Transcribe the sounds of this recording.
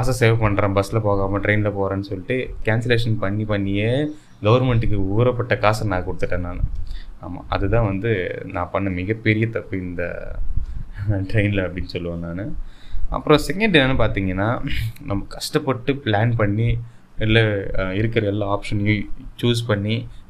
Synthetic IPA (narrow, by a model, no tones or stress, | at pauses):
kaːsɐseːʋpɐɳːɾãːbɐsɪlɐpoːɣaːmɐʈɾɐɪnɪlɐpoːɾãːnːɯsɔlːɪʈːɯkaːnsɐleːʂɐnpɐɳːipɐɳːɪje | ɡɐʋɐɾmɛɳʈɯkːɯuːɾɐpːɐʈːɐkaːsɐnãːkʊɽɯt̪ːɯʈːɐːnːaːnɐ̰a̰ːma̰ːʔɐ̰ðɯt̪ãːʋɐnd̪ɯnã̰ːpɐɳːɐmɪɣɐpːɛɾɪjɐt̪ɐpːɯɪnd̪ɐ̰ | ʈɾɐɪnɪlɐɐpːɐɽɪnːsɔlːɯʋɐ̃naːnɯʔɐ̰pːɯɾõsɛkːɛɳɖɛnɐnːɯpaːɾt̪iːŋɡɐnːaːnɐmːɐkɐʂʈɐpːɔʈːɯplaːnpɐɳːi | ɪlːɐɪɾɯkːɐɾɐɛlːãaːpʂɐnɯt͡ʃuːs̬pɐɳːi